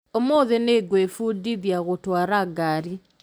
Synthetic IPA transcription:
omoðeneɡwefudiðjaɣotwaɾaɡaɾi

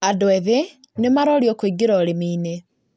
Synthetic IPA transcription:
adɔɛðe | nemaɾɔɾjɔkwiɡeɾɔɾemiːne

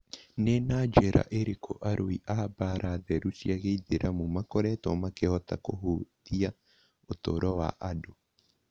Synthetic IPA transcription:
nenad͡ʒɛɾa̰ʔeɾekʰo̰ʔaɾʔoiʔaːbaɾaðɛɾusiaɣeiðeɾʔamomakɔɾɛtɔmakɛhɔtakoɦoːtia | otoɾɔwa̰ʔado

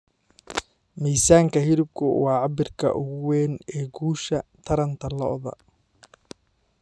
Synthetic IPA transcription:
miːsaːŋkʰɐɦɪɾʊb̚kʰʊ̰wɑːʕɑbɪrkʰɐ̰ʔʊɣʊwɛːnɛːɡuːʃɐt̪ʰɐɾɐnt̪ʰɐlɔʔðɐ̰

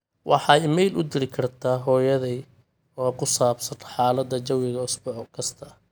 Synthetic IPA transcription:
wʔɑ̰ħɑjmɛjlʔʊ̰d̪ɪlɪkʰɐrt̪ʰaːɦɔːjɐðɛj | ɔːkʰʊsaːbsɐt̪ʰɐ̥ħɑːlɐd̪ɐt͡ʃɐwɪɣɐʊsbɔħɔkʰɐst̪ʰɐ

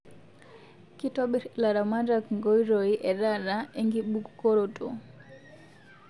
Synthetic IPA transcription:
kitɔɓɛlaɾamadakŋɡɔjɾɔiʔɛɾaɾaɛŋɡiɓukkɔɾɔtɔ

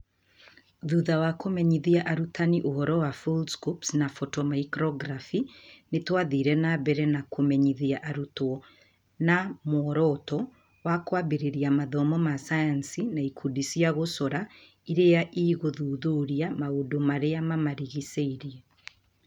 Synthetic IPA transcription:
ðuðawakomɛɲiðiaʔaɾutʰaniʔohɔɾɔwafulskupsnafɔtɔmaikɾɔɡɾafinetwaðiɾɛnabɛɾɛnakomɛɲiðiaʔaɾutwɔ | namoɔɾɔtɔ | wakwabeɾeɾiamaðɔmɔmasajansinaikʰudisiaɣosɔɾa | iɾejaʔiɣoðuðoɾiamaodomaɾeamamaɾiɣiseiɾiɛ

